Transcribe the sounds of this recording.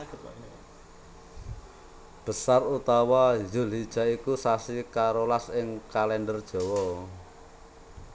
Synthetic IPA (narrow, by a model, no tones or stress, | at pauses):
b̥ə̤sarut̪awajʊ̤lid̥ʒ̥a̤ikusasikaɾolasɪŋkalɛndərd̥ʒ̥ɔ̤wɔ